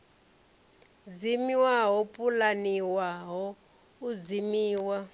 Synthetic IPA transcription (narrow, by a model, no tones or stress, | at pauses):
zimiwaɦɔpʼulaniwaɦɔ | uzimiːwa